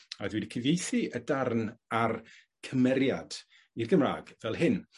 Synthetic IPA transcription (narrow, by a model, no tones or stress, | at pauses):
aðwidkʰɪvejθiədarnar | kʰəmɛɾjad̥ | irɡəmra̰ːɡvɛlˠɦɪn